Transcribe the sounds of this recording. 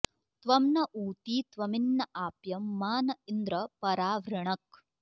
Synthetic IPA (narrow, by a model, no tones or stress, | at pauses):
t̪ʋɐmnɐʔuːt̪iːt̪ʋɐminːɐʔaːpjɐmːaːnɐind̪ɾɐpɐɾaːʋɾɐɳɐk̚